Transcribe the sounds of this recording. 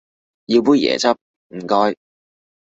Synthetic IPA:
ji˧wpuː˥jɛ̰ː˨˩t͡sɐ˥p̚ | m̩˨˩kɔː˥j

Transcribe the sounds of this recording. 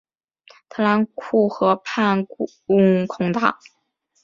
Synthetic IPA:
t̪ʰɤ˧˥la˧˥nkʰu˥˩xɤ˧˥pʰa˥˩n | ʊ˥ŋkʰʊ˧˥ŋt̪a˥˩

